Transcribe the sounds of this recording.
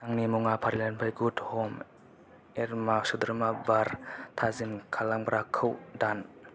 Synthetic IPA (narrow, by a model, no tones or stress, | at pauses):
naŋnimuŋapʰaɾilanpʰajɡudhɔm | ɛɾmasud̪ɾmabaɾt̪ʰazinkʰalaŋbɾʔakʰəwdan